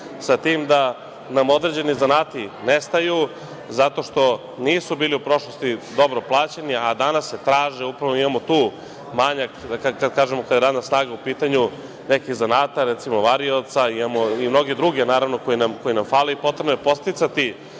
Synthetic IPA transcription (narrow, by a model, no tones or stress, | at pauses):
sat̪iːmd̪a | namo̞d̪ɾed͡ʑe̞nizanaːt̪inest̪aju | zat̪o̞ʃt̪o̞ | niːsubiːliupɾo̞ʃlˠo̞st̪id̪o̞bɾo̞plˠaːt͡ɕeniad̪anasːet̪ɾaːʒeupɾaʋoimamo̞t̪uː | maɲak̪akakad̪kaːʒemokad̪aɾaːd̪nasnaːɡaupiːt̪aɲu | nekiɣzanaːt̪aɾɛt̪simo̞ʋaɾiot̪saimamoimno̞ɡed̪ɾuɡe̞naːɾaʋno̞ko̞jinamko̞jinamfaːleipot̪ɾebnoepo̞t̪st̪it̪sat̪i